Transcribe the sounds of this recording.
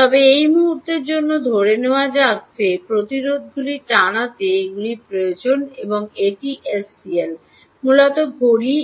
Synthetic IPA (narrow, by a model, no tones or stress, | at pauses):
t̪ɔbeejmuɦuɾt̪eɾd͡ʑonːod̪ʱoɾeneoad͡ʑatːɕʰepɾot̪iɾod̪̚ʱɡuliʈanat̪eeɡulipɾojod͡ʑoneboŋeʈiʔes | iel | mulɔt̪oɡʱoɾi